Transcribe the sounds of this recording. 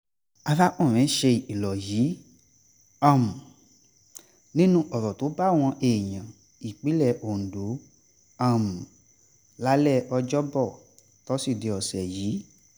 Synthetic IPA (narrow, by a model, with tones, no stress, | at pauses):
a˧la˦ʔũ˦˨ɾ̃ɛ̃˨˦ʃe˧˨i˨lɔ˨jiː˨˦ | ã˦˨m̩˨ | nĩ˦nũ˦ʔɔ˨ɾɔ˨to˨˦ba˦˨w̃ɔ̃˧ʔe˨j̃ã˨ | i˨k͡pi˨˦lɛ˦˨ʔo˨n̩˨do˨˦ | ã˦˨m̩˨ | la˦lɛ˦˨ʔɔ˧d͡ʒɔ˦bɔ˦˨ | tɔ˦si˦˨de˧˦ɔ˨sɛ˨jiː˨˦